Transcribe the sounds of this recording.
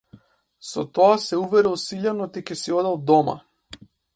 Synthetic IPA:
sɔ̰t̪ɔasɛuvɛɾilˠsiʎanɔt̪icɛsiɔd̪alˠd̪ɔma̰

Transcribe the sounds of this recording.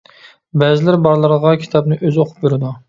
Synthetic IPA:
bɛzɪlɪɾbɑɾlˠəɾʁɑkʲʰi̥t̪ʰɑbnɨʔøzoqʰʊ̥p̚beɾɪd̪u

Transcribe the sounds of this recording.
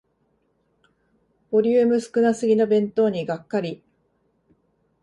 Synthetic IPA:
b̥o̞ɾʲɨːmɯ̟sɨ̥kɯ̟nasɨɡʲinobẽ̞nt̪o̞ːɲ̟iɡakːaɾʲi

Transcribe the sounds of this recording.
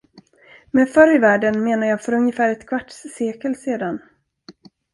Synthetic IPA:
mɛfœɾjvæːɖənmeːnajɑːfœɾɵŋjəfæːɾɛt̪kʰvaʈʂseːkəlseːd̪an

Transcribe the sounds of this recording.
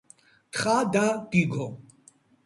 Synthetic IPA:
xaːd̪aːkiɡʱo

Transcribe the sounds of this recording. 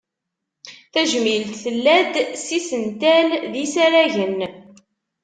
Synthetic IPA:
θæʒmilt̪θəlːæd̪sisənt̪ælðisæɾæʝən

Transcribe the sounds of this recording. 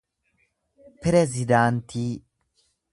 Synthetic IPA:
pɾezid̪ant̪ʰi

